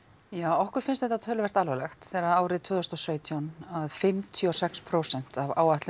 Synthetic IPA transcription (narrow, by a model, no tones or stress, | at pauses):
jaːwɔhkʏɾfɪnst̪ɛht̪at̪ʰœːlʏvɛr̥t̪alvɛlɛxt̪θɛɾaðaːwɾɪt̪ʰvʏːðʏst̪ɔsœːɥt̪ʰjawnaðfɪmt̪ʰjɔsɛkspʰɾowsɛn̥t̪avaːwaht̪lɪ